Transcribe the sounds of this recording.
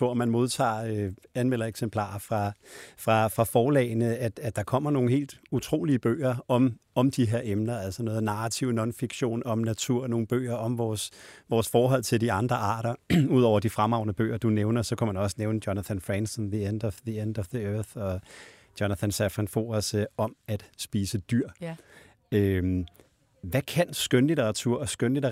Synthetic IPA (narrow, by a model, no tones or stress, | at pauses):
t͡sʰo̝ɐ̰mænmo̝ð̞ˠt͡sʰɑ̰̈ːøænmel̰ɐeɡ̥sempʰl̥ɑ̰̈ːɐfʁɑ̈fʁɑ̈fʁɑ̈fɒːlɛ̰ɪnəæd̥æ̥d̥ɑ̈kʰɒ̽m̰ɐno̝ːn̩he̝̰ːld̥ut͡sʰʁo̝̰ːliəb̥ø̰ːɐɒ̽mɒ̽md̥iɦe̝ɐ̰emnɐælsɒnɔ̽ːð̩ˠnɑ̈ʁɑt͡sʰiʊ̰nɒ̽nfiɡ̥ɕo̝̰ːnɒ̽mnæt͡sʰuɐ̰no̝ːn̩b̥ø̰ːɐɒ̽mʋɒːsʋɒːsfɒːɦɒ̽l̰t͡sʰe̝ld̥iɑ̈nd̥ʁɐʔɑ̰̈ːɾ̥ɐuð̞̰ˠɒ̰ʊɐd̥ifʁamɑ̈ʊnəb̥ø̰ːɐd̥uneʊnɐsɒ̽kʰæmænɒ̽səneʊnəd̥jɒnæθʰænfʁɛnsənðiend̥ɒ̽ʋðiend̥ɒ̽ʋðiøɐθɒ̽ | d̥jɒnæθʰænsæfʁinfo̝̰ːɐsɒ̽mæd̥sb̥iːsəd̥yɐ̰ | øm | ʋækʰænsɡ̥ønliɾeʁɑ̈t͡sʰuɐ̰ɒ̽sɡ̥ønlidɐ